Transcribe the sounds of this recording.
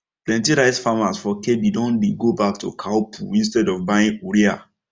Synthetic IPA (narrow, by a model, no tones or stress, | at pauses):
plɛ̃ntiɾaɪsfamasfɔkebidɔ̃nbiɡobak̚tukʰaʊpʰṵĩnstɛdɔvbaĩŋoɹia